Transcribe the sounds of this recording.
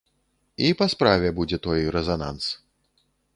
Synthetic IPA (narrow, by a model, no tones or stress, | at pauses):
ipaspɾavʲɛbud͡zʲɛt̪ɔjɾɛzana̰ns